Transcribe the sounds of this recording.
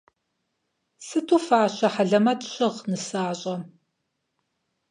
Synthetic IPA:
sɨtʰuːfaːɕɐħaɮɐmɐtɕɪʁnɨsaːɕʼɐ

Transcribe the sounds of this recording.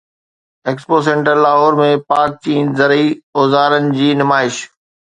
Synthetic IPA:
eːkspoːs̬ẽːɳʈəɾlaːɦoːɾmẽpaːk̚t͡ɕĩːnzɐɾioːzaːɾənɪ̆d͡ʑiːnɪmaːɪʃ

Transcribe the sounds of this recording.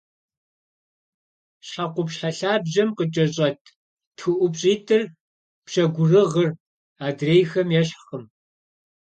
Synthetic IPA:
ɕaqʷʊpɕħaɬaːbʑɐmqət͡ʃʼɐɕʼɐtʰ | txɨʔʷʊpɕʼiːtʰɨr | pɕɐɡʷʊrɨʁər | aːdreːjxɐmjɛɕχəm

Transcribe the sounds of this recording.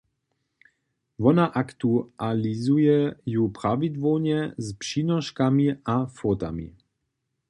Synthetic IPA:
vɔnaʔakt̪ualizujɛjupɾavid̪vɔlɲɛzpʂiːnɔʃkamiafɔt̪a̰mḭ

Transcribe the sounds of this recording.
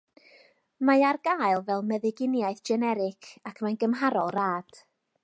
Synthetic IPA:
majarɡaːɨlˠvɛlˠmɛðɪɡɪnjaɨθd͡ʒɛnɛɾɪkʰakʰmanɡəmɦaɾɔlˠraːd̥

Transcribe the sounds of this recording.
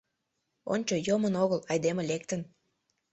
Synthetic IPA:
o̰nʲt͡ɕojomənoɣəlɑjd̪emelek̚t̪ən

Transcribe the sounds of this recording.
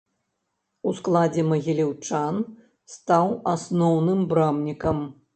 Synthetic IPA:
usklˠad͡zʲɛmɐɣʲilʲiwt͡ʂan | st̪awasnɔwnɨmbɾamnʲikɐm

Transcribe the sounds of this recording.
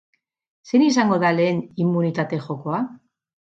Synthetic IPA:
senisaŋɡo̞ðale̞ːnimːunit̪at̪e̞xo̞ko̞a

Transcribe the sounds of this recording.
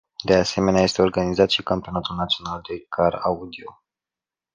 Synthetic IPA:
d̪e̞ase̞me̞neaje̞st̪e̞o̞rɡanizat̪ʃikampeo̞nat̪ulnat̪sio̞nald̪e̞kʰaraud̪io

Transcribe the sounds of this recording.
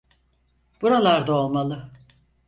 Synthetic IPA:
b̥uɾalˠaɾd̪ao̞lˠmalˠɯ

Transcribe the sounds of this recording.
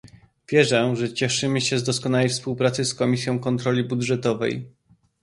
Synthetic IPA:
vʲjɛʐɛʐɛt͡ɕɛʂɘmɘɕɛzd̪ɔskɔnawejfspuwpɾat̪sɘskɔmʲisʲjɔ̃w̃kɔnt̪ɾɔlʲibud̪ʐɛt̪ɔvɛ̰j

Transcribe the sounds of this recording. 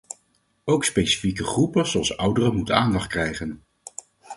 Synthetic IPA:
owkspejsi̥fikəχrupəzowɑlˠsʌwdərəmutənaːndɑχt̚krɛjχən

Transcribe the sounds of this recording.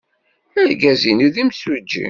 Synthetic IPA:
ælɡæzinuðimswəd͡ʒːḭ

